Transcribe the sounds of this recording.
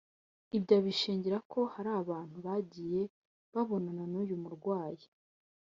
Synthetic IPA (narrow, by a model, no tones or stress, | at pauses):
ibɟaβiʃiːɲɟiɾakʰo̞haɾaːβaːn̥huβaɟiːje̞ | βaβo̞nananujumuɾɡwaːje